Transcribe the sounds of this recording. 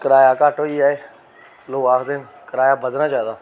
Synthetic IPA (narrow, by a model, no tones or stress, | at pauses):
kəɾaːjaːkaːʈoːiːaːeː | loːaːkd̪en | kəɾaːjaːbəd̪nãːd͡ʒjaːd̪aː